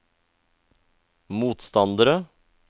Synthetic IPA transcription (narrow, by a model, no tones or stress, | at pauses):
muːt̪st̪ɑnd̪əɾə